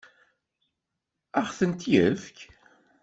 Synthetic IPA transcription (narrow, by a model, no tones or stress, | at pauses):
æʁθənt̪jəfk